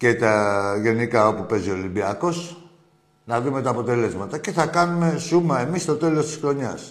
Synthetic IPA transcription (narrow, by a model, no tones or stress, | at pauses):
ce̞t̪ɐʝe̞nikɐo̞pupe̞zio̞limbiɐko̞s | nɐðɾume̞t̪ɐːpo̞t̪e̞le̞zmɐt̪ɐce̞θɐkɐnume̞sumɐemist̪o̞t̪e̞lo̞st̪isxɾo̞ɲɐs